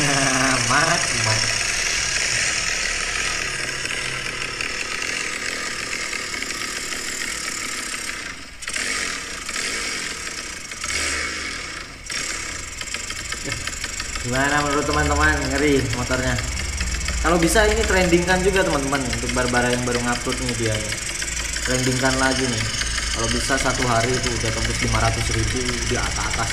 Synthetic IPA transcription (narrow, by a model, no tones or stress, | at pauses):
mat̪̚iman | jaɡ̥imanamənuɾʊt̪ːəmant̪əmanŋəɾimot̪ɔrɲa | kalobisainit̪əɾɛndiŋkand͡ʒuɡat̪əmant̪əmanunt̪ʊk̚baɾabaɾajaŋbaɾuŋat̪ʊt̪̚nɪdiaa | t̪əɾɛndiŋkanlaɡinɪh | kalabisasat̪uɦaɾit̪uusak̪əmpʊt̪limaɾat̪ʊsɾiɡudiaa̰t̪aa̰t̪as